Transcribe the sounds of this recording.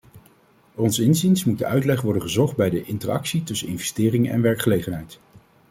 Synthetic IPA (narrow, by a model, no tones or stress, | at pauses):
ɔnsɪnzinsmud̚də̰ʔœɥtlɛχʋɔɹdənχəzɔχd̚bɛjdəʔɪntəɹɑ̰ksitɵsənɪnvɛstɪːrɪŋɛ̰nʋɛɹkχəlejχənɦɛjt